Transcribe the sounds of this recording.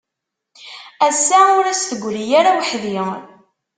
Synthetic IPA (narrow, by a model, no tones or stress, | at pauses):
æsːaʊɾæsθəɡʷːɾijaɾawəħðiʁ